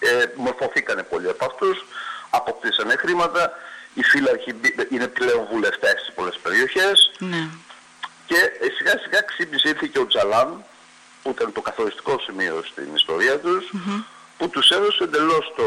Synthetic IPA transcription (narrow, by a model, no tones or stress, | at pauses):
emo̞ɾfo̞θikɐne̞po̞liɐpoɐft̪usɐpo̞k̚t̪isɐne̞xɾimɐt̪ɐifilɐçibine̞ple̞o̞ɱvule̞ft̪e̞st̪ispo̞le̞spe̞ɾio̞çe̞sn | ce̞siɣɐsiɣɐksipnisiɾθiceo̞d͡zɐlɐn | puit̪ɐnt̪o̞kɐθo̞ɾist̪i̥ko̞simio̞̰st̪ḭnist̪o̞̰ɾiɐt̪us | put̪use̞ðo̞seend̪e̞lo̞st̪o